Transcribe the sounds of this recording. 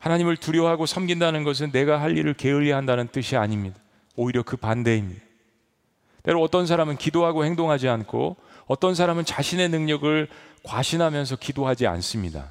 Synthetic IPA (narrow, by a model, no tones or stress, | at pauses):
hanaɲimɯɭtuɾjʌɦaɡosʰʌmɡindanɯnɡʌs̬ʰɯnːe̞ɡaɦaʎːiɾɯɭke̞ɯʎːiɦandanɯnt͈ɯɕʰiaɲimɲida | oiɾjʌkɯpande̞imɲida | te̞ɾoʌt͈ʌns̬ʰaɾamɯnkidoɦaɡohe̞ŋdoŋɦad͡ʑiankʰo̰ʌt͈ʌnsʰaɾamɯnt͡ɕaɕʰinenɯŋɲʌɡɯɭkwaɕʰinɦamjʌns̬ʰʌkidoɦad͡ʑia̰ns͈ɯmɲida̰